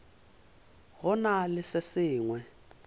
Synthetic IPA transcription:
ɦɔnalɪsɪsiːŋwɛ

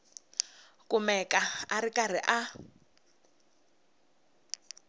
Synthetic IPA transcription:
kumɛkaarikar̤iʔa

